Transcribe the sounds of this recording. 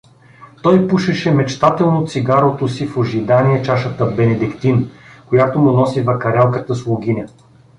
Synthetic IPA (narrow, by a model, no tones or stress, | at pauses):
t̪ɔjpuʃɛʃɛmɛt͡ʃt̪at̪ɛlˠnot̪siɡaɾot̪osifoʒid̪aniɛt͡ʃaʃət̪əbɛnɛd̪ikt̪inkojat̪omʊnɔsivɐkɐɾɛlˠkət̪əslˠʊɡ̟ʲinʲɐ